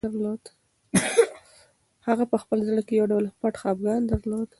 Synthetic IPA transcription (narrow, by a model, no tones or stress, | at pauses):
aɾlod̪ | haɣapəxpəlzɽəkejawɖawlpaʈxɑbɡɑnd̪əɾlod̪